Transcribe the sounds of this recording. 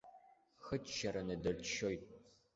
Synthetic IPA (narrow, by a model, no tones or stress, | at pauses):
xɨtʃɐɾɐnɐdɐrtʰʃoj̚ʼ